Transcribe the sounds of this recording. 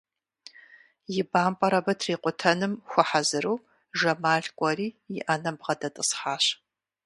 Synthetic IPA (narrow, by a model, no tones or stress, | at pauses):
jɪbaːmpʼɐɾɐbɐtʰriːqʷʼʊtʰɐnɨmxʷʊħazɨɾuː | ʒɐmaːɮkʷʼɔriːjɪ̰ʔanɐmbʁɐdɐtʼɨsħaːɕ